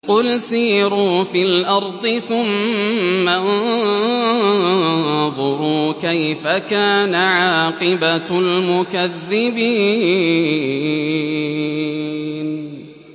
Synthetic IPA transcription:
qʊlsiːɾuːfilʔɑɾˤd̪ˤɨθʊmː | an | ðˤʊɾuːkajfakaːnaʕɑːqɨbalmʊkaðːɪbiː | n

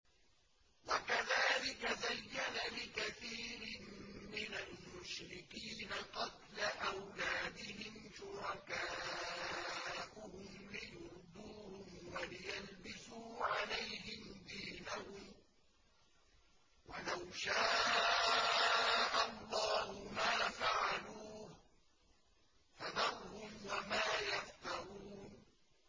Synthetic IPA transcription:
wakaðaːlɪkazajːanalɪkaθiːɾɪmmɪnalmʊʃɾɪkiːnaqɑt̪laʔawlaːd̪ɪhɪmʃʊɾɑkaː | ʔʊhʊmlɪjʊɾd̪ˤuːhʊmwalɪjalbɪsuːʕalajhɪmd̪iːnahʊm | walawʃaː | ʔalˤːɑːhʊmaːfaʕaluːh | fad̪ɑɾhʊmwamaːjaft̪ɑɾuːn

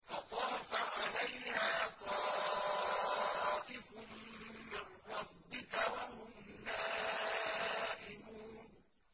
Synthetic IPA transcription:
fɑt̪ˤɑːfaʕalajhaːt̪ɑː | ʔ̪ɪfʊmmɪnɾˤɑbːɪkawaɦʊmnaː | ʔɪmuːn

